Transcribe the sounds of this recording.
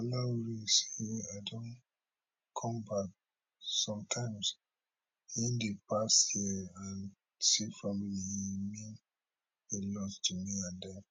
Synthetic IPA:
alawuɹise̥aɪdɔ̃n | kʰɔ̃mbak̚ | sɔ̃mtʰãɪ̃mz | ĩndepʰashiəãn | sifamilihimĩn | elɔstʰumiãndɛ

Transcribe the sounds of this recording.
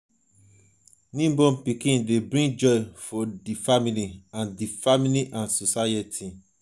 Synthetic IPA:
nĩmbɔ̃mpikĩndebɾĩŋd͡ʒɔɪfɔdifamiliãndifamiliʔãnsosaetʰi

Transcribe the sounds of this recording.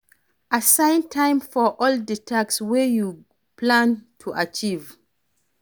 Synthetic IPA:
asãɪ̃ntʰãɪ̃mfɔʔɔlditʰakswɛju | pʰlãntʰuʔat͡ʃiv

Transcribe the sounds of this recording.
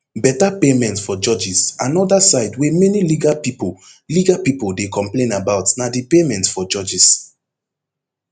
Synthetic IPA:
bɛtapemɛ̃ntfɔd͡ʒɔd͡ʒisãnɔdasaɪdwemɛniliɡapipo | liɡapipoldekɔ̃mplẽnabaʊtnadipemɛ̃ntfɔd͡ʒɔd͡ʒis

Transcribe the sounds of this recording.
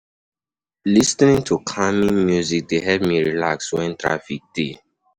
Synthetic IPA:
lisnĩŋtʰukʰamĩnmjuzik̚deɦɛvmiɹilakswɛ̃ntɹa̰fik̚d̥e

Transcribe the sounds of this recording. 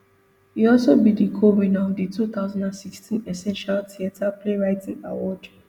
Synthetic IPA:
iɔlsobidikʰomĩnaɔvditʰut̪aʊzãndãnsikstĩnɛsɛ̃nʃaltʰiatʰapleɹaɪtʰĩŋa̰wɔd

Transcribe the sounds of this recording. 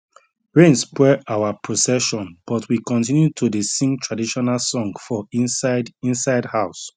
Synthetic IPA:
ɹẽnspwɛʔawapɹosɛʃɔ̃nb̥ɔtʰwikɔ̃ntĩnjutʰudesĩŋɡtʰɹadiʃɔnalsɔ̃ŋɡfɔĩnsadĩnsaɪdhaʊs

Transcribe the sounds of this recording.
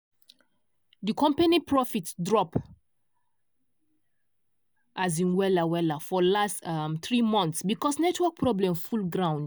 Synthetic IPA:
dikʰɔ̃mpanipʰɹɔfitdɹɔp | ʔazĩnwɛlawɛlafɔlastamθɹimɔ̃nt̪sbikɔsnɛtʰwɔk̚pʰɹɔblɛ̃mfulɡɹãʊ̃nd

